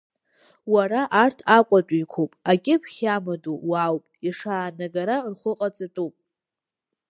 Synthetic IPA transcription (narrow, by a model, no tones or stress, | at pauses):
waraʔartʰakʷʼatʼiikʷʰopʼaɡʲʼɪpʰχʲamɨduwawpʼiʂaːnaɡaɾarχʷʊqʼat͡sʼɨtʼupʼ